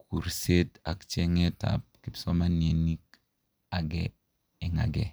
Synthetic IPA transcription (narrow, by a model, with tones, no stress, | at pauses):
kʰu˨ɾse˦ta̰˨kt͡ʃɛ˦ŋɛ˦ta̰˨p̚kɪ˨psɔ˦ma˦ne˨ni˦k | a˨ɡɛ˦ | ɛ˨ŋa̰˨ɡɛ˨